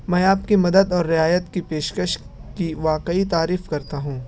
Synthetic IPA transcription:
mɛ̃ːaːpkimɐd̪əd̪ɔːɾːɪaːjət̪kipeːʃkəʃ | kiʋaːqəit̪aːɾiːfkɐɾt̪aɦũː

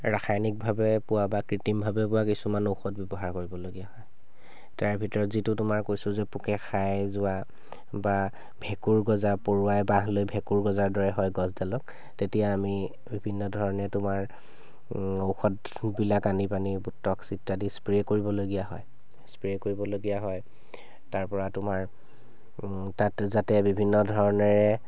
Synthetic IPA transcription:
ɹaxʰajnik̚bʱabɛpʊwabakɹitimbʱabɛpʊwakisumanowxɔt̚bjɔbɔɦaɹkoɹibɔloɡijaɦɔj | taɹbʱitɔɹɔtzitʊtʊmaɹkojsʊzɛpukɛxajzʊa | ba | bʱɛkuɹɡɔzapoɹuajbaɦlojbʱɛkuɹɡɔzaɹdɔɹɛɦɔjɡɔzdalɔk̚ | tetijaːmi | bibʱinːɔdʱɔɹɔnɛtʊmaɹ | owxɔt | bilakanipanibutːɔksitːadispɹekoɹibɔloɡijaɦɔ̰j | spɹiekoɹibɔloɡijaɦɔj | taɹpɔɹatʊmaɹ | tatzatɛbibʱinːɔdʱɔɹɔnɔɹɛ

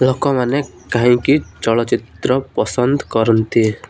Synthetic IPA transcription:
lɔkɔmane | kãɦĩkit͡ʃəɭət͡ʃit̪ɾəpəsənd̪kəɾənt̪ʰi

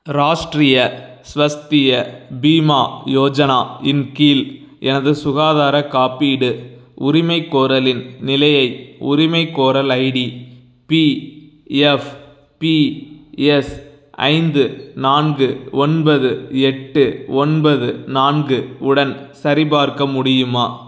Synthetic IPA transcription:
ɾaːʂʈrɪjɐ | sʋɐst̪ɪjɐbiːmaːjoːd͡ʒɐnaːɪnkiːl | ʔɛnɐðɯsʊɣaːðaːɾɐkaːpiɽɯ | ʊɾɪmɐɪkːoːɾɐlɪnnɪlɐjɐɪʊɾɪmɐɪkːoːɾɐlɐɪɽi | pi | ɛf | pi | ɛs | ɐ̰ɪnd̪ɯnaːnɡɯɔnbɐðɯɛʈːɯɔnbɐðɯnaːnɡɯʊɽɐnsɐɾɪbaːɾkɐmʊɽɪjɯmaː

